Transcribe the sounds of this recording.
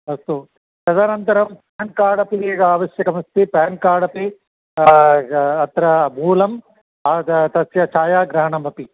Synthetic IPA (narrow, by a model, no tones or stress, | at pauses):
ɐst̪u | ʃɐzɐnɐnt̪ɐɾɐmpaːnkaːɽɐpieːɡɐaːʋɐʃjɐkɐmɐst̪ipaːnkaːɽɐpi | ɐt̪ɾɐbʱuːlɐm | ɐt̪ɐsjɐt͡ʃʰaːjaːɡɾɐɦɐɳɐmbʱɐpi